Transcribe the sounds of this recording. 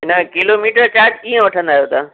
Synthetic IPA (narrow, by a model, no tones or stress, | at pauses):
ɪnəkɪloːmiːʈəɾt͡ɕaːɾd͡ʑiːə̃ʋɐʈʰə̃nd̪aːɦjot̪ʰaː